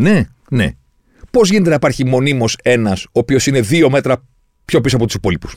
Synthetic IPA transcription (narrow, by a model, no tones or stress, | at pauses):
ne̞ | ne̞̰ | po̞zʝinet̪enɐipɐɾçimo̞nimo̞se̞nɐsoːpio̞sine̞ðio̞me̞t̪ɾɐ | pço̞pisoɐpo̞t̪usipo̞lipu̥s